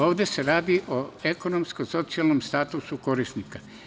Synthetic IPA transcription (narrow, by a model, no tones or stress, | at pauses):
o̞ːʋd̪e̞se̞ɾaːd̪iʔoe̞ko̞no̞mskoso̞t̪sialˠnomst̪aːt̪usuko̞ɾist̪nika